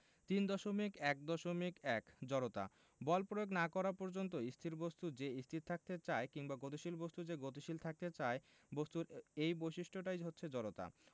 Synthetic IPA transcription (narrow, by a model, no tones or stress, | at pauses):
t̪ind̪ɔʃomikɛk̚d̪ɔʃomikɛkd͡ʑɔɾot̪a̰ | bɔlpɾojoɡnakɔɾapɔɾd͡ʑont̪̬oist̪ʰiɾbost̪ud͡ʑeist̪ʰit̪ʰːak̚t̪et͡ɕaekiŋbaɡot̪̬iʃilbost̪ud͡ʑeɡot̪̬iʃilt̪ʰak̚t̪et͡ɕae | bost̪uɾejbojʃiʃʈʰoʈajɦotːɕʰed͡ʑɔɾot̪a̰